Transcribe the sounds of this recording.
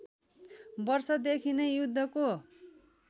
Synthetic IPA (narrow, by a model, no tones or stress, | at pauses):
bʌrsʌd̪ekʰinejud̪ʱːʌko